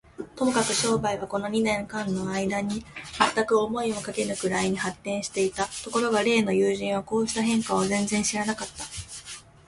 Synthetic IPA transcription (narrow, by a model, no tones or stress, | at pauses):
t̪o̞mo̞kakɯ̟ɕo̞ːbaiβ̞ako̞no̞ɲ̟inẽ̞ŋkãnːo̞aid̪aɲ̟imat̪ːakɯ̟o̞mo̞io̞kake̞nɯ̟kɯ̟ɾaiɲ̟ihat̪ːẽɰ̃ɕi̥t̪e̞it̪at̪o̞ko̞ɾo̞ɡaɾe̞ːno̞jɯːʑĩɰ̃β̞ako̞ːɕi̥t̪aɦẽ̞ŋkaozẽ̞nd͡zẽ̞ɰ̃ɕiɾanakat̪ːḁ